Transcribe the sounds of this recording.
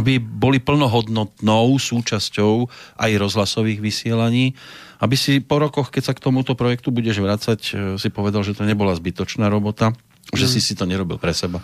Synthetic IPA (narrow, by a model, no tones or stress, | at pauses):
abibɔlipl̩nɔɦɔd̪nɔt̪nɔʊsuːt͡ʃascɔʊʔajɾɔzɦlasɔʋiːɣʋisɪɛlaɲiːʔabisipɔɾɔkɔxkɛcsakt̪ɔmut̪ɔpɾɔjɛk̚t̪ubuɟɛʒʋɾat͡sacsipɔʋɛd̪alʒɛt̪ɔɲɛbɔlazbit̪ɔt͡ʃnaːɾɔbɔt̪a | ʒɛsisit̪ɔɲɛɾɔbilpɾɛsɛba